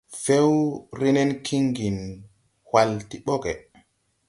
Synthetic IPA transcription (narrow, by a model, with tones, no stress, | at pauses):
fe˦wɾi˦nɛ˦nkʰi˦ŋɡi˨n | wa˨lti˨ɓɔ˦kɛ˨